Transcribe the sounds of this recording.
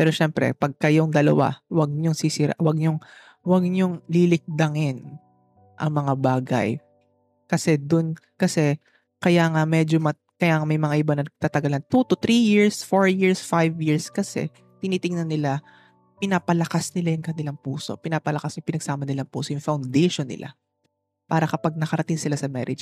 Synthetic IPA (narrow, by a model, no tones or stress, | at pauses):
pɛːɾoʃɛmpɾɛ̰pɐɡ̚kɐjoŋd̪ɐlɐ̰wa̰wɐɡ̚ɲoŋsisiɾa̰ʔwɐɡ̚ɲoŋ | wɐɡ̚ɲoŋlilɪk̚d̪ɐŋɪn | ʔɐ̰ŋmɐŋabaːɡɐ̰j | kɐsɛd̪ʊn | kɐsɛ | kɐjaːŋamɛd͡ʒomɐ | kɐjaːŋamɐjmɐŋaʔɪbanɐt̪aːt̪ɐɡɐlɐnt̪ut̪ʊt̪ɾijiɹsfoɹjiɹsfajvjɪɹskɐsɛ̰ | t̪ɪniːt̪ɪŋnɐnːɪla | pɪnaːpɐlɐkasnɪlajʊŋkɐnɪlaŋpuːso̞̰pɪnaːpɐlɐkasɲʊpɪnɐɡ̥saːmɐnɪlaŋpṵːsojʊŋfawnd̪ɛjʃonːɪ̰lʔa̰ | paːɾɐkɐpaɡ̚nɐkɐɾɐt̪ɪŋsɪlasɐmɛ̰ɾɪ̰dd͡ʒ